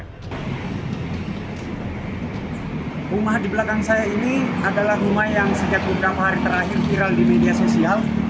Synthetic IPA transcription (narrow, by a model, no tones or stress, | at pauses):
rumahdibəlakaŋsajainiadalahrumajjaŋsəd͡ʒak̚bəbəɾapaɦaɾit̪əɾaɦɪrfiɾaldimediasosial